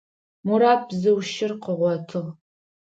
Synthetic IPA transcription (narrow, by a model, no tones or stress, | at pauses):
muɾaːp̚ʰzɨwʃɪrqəʁʷɔtʰɨʁ